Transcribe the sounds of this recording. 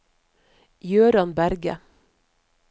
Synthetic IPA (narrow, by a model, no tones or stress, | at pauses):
jøːɾɑnbæɾɡə̰